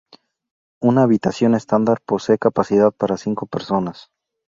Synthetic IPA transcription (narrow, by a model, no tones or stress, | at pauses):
unaːβit̪asjo̞ne̞st̪and̪aɾpo̞sekapasiðað̚paɾasiŋko̞pe̞ɾso̞nas